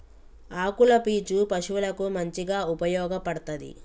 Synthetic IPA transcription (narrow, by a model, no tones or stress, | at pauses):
aːkulɐpiːt͡ʃupɐʃuʋulɐkumɐɲt͡ʃiɡaːupɐjɔːɡɐpɐɽɐt̪ɐd̪ḭ